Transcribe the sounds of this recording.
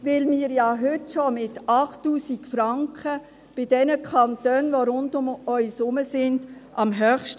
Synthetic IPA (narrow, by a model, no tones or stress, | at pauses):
vɪlmiːɾjɑːɦʏtʃomɪtɑχtːuːsikfɾɑŋkʰχə | b̥ɪd̥ɛnəkʰɑntøːnʋoɾʊndʊmœʏsʊməsɪnd̥ʔɑmɦœːχʃt